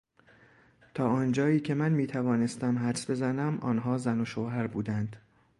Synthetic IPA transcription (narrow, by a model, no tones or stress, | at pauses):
t̪ʰɒːɒːnd͡ʒɒːiːcʰe̞mænmiːt̪ʰævɒːne̞st̪æmɦæɾsbe̞zænæmʔɒ̰ːnɦɒːzænoʃoːɦæɾbuːd̪ænd̪̥